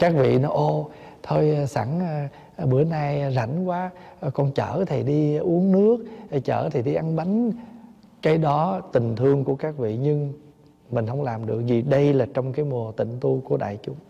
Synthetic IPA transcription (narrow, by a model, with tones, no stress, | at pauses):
kaː˦˥k̚vḭ˧˨nɔ˨˦ʔo˧t̪ʰo˧jsa̰ː˧˩ŋː˨ | ɓɨ˧˩˦ənaː˧jza̰˧˩˦jŋ̟kwaː˨˦˨kɔ˨˩nt͡ɕəː˧˩t̪ʰi˨˩ɗi˧ʔu˨˦əŋnɨ˦˥ək̚ːt͡ɕəː˧˩t̪ʰi˨˩ɗi˧ʔa˧nɓa˨˦jŋ̟ | kaː˨˦jɗɔ˨˦t̪ï˨˩ŋ̟t̪ʰɨ˧əŋku˧˩əkaː˦˥k̚vḭ˧˨ɲɨ˧ŋ | mï˨˩ŋ̟ɦə˧wŋ͡mlaː˨˩mɗɨ˨˩ək̚zi˨˩ɗə˧jlaː˨˩t͡ɕɔ˧wŋ͡mkaː˨˦jmu˨˩ət̪ḭ˧˨ŋ̟t̪u˧ku˧˩əɗa̰ː˧˨jt͡ɕʊ˨˦ŋ͡m